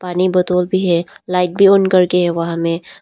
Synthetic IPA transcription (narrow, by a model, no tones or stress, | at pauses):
paːnibɐt̪oːlbʱiɦɛlaːɪʈ̚bʱionkɐɾkeɦɛʋɐɦãmẽ